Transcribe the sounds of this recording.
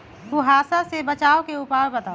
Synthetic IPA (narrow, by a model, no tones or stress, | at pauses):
kuɦaːsasebɐt͡ʃaːokeʊpaːɾbɐt̪aː